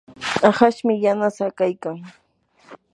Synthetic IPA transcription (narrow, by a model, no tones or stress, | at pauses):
aχaʃmɪjanasakajkaŋ